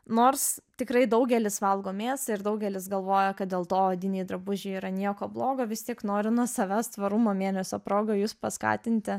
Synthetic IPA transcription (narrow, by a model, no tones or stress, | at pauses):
noːrst̪ʲɪkɾɐɪd̪ɐʊɡʲɛlʲɪsʋɐlˠɡoːmʲeːsɐɪrd̪ɐʊɡʲɛlʲɪsɡɐlˠʋoːjɛkɐt̪̚d̪ʲeːlˠt̪oːɐd̪ʲɪnʲiːjd̪ɾɐbʊʒʲɛːiːɾɐnʲiɛkoːblˠoːɡoːʋʲɪst̪ʲiɛknoːɾʲɪnuɔsɐʋʲæːst̪ʋɐɾumoːmʲeːnʲɛsʲoːpɾoːɡɐjuːspɐskɑ̰ːt̪ʲɪnʲt̪ʲɪ